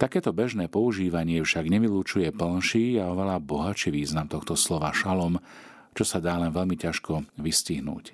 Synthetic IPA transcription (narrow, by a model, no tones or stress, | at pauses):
t̪akɛːt̪ɔbɛʒnɛːpɔuʒiːʋaɲɪɛfʃaɡɲɛʋiluːt͡ʃujɛpl̩nʃiːaɔʋɛlabɔɦat͡ʃiʋiːznamt̪ɔxt̪ɔslɔʋaʃalɔm | t͡ʃɔsad̪aːlɛnʋɛlmicaʃkɔʋisciɦnṵːc